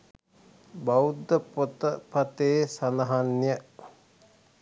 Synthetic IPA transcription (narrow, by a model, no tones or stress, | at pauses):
baud̪əot̪əpɐt̪eːsanɐɦanːjə